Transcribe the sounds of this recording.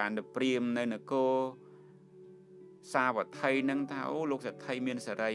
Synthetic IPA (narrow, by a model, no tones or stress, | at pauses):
aːnɗɨpriəmnɨwnɨkoː | saːʋat̪ʰəjnɨŋt̪ʰaːʔoːloːk̚sat̪ʰəjmiənsaɾə